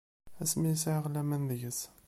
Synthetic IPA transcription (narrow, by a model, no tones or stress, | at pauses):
æsmisiʕəʁlæmænðəʝəs